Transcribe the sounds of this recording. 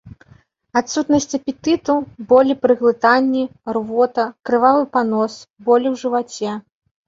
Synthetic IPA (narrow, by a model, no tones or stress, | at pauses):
at̪sut̪nɐsʲt͡sʲɐpʲit̪ɨt̪ubɔlʲipɾɨɣlˠɨt̪anʲːirvɔt̪ɐkɾɨvavɨpanɔsbɔlʲiwʐɨvat͡sʲɛ